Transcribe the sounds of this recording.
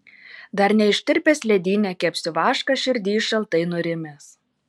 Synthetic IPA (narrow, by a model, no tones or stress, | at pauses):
d̪ɐɾnʲɛɪʃʲt̪ʲɪɾʲpʲɛsʲlʲɛd̪ʲiːnʲɛkʲɛpʲsʲɪʋɑːʃkɐʃʲɪɾʲd̪ʲiːʃɐlˠt̪ɐɪnʊɾʲɪmʲes